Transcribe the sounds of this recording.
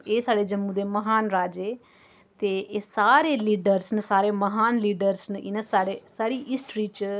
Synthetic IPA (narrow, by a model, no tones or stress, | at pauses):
eːsaːɽed͡ʒɐmːud̪emɐɦaːnɾaːd͡ʒe | t̪eʔːsaːɾeliːɖəɾsnəsaːɾeːmɐɦaːnliːɖəɾsnʔɪnəsaːɽesaːɽiːʔɪsʈɾiːt͡ʃ